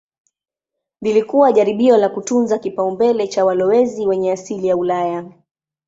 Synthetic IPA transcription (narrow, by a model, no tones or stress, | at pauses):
lilikuwaʄaɾiɓiɔlakutunzakipaumbɛlɛt͡ʃawalɔwɛziwɛɲɛasilijaulaja